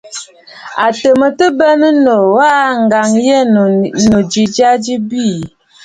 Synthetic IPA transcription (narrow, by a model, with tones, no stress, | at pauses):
a˨tə˨mə˨tə˦bɛ˦nə˦no˨wa˦ŋ̩˨ɡa˨ŋjɛ˦˨no˨d͡ʒi˨d͡ʒa˦d͡ʒi˦bi˦˨